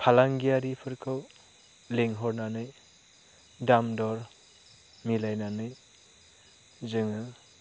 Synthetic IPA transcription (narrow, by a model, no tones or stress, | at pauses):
pʰalaŋɡijaɾipʰɯɾkʰɯw | leŋɦɔɾnanɯj | damdɔɾ | milajnanɯj | zɯŋɯ